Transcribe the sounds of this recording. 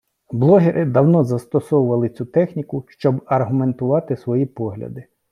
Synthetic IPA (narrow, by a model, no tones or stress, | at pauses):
blˠɔɦeɾʔɪd̪ɐwnɔzɐst̪ɔsɔwʊʋɐlˠɪt͡sʲut̪ɛxnʲikʊʃt͡ʃɔbɐrɦʊme̞nt̪ʊʋɑt̪ɪsʋɔjipɔɦlʲɐ̰d̪ɪ